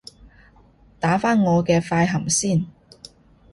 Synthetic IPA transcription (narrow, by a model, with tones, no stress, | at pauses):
t̪aː˨˥faː˥nŋɔː˨˧kɛː˧faː˧jɦɐ˨˩msiː˥˩n